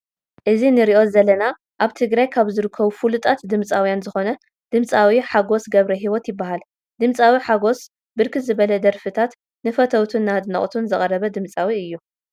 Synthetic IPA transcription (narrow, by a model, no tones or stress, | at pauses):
ʔɨzinɨɾiʔo̞zɐlːɐna | ʔaβt̪ʰɨɡɾajkʰaβzɨɾɨkʰːɐβufulut̪ʼat̪d̪ɨmt͡sʼawjanzɨxo̞nɐ | d̪̥ɨmt͡sʼawiħaɡo̞sɡɐβɾɐɦiwot̪jɪbːaɦal | d̪ɨmt͡sʼawiħaɡo̞s | bɨɾkʰɨzɨβɐlɐd̪ɐɾfɨt̪ʰat̪ | nɨfɐt̪ʰɐwt̪ʰunːad̪nɐ̰χʼt̪ʰunzɨχʼɐɾɐβɐd̪ɨmt͡sʼawiɨjːu